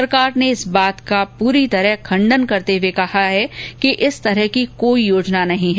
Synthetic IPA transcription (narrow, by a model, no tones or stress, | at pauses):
ɐɾkaːɾneɪsbaːt̪kapuːɾit̪ɐɾəɦkʰɐ̃ɳɖənkɐɾt̪ewekɐɦaɦɛkiʔɪst̪ɐɾɛɦkikoːijoːd͡ʒnanɐɦĩɦɛ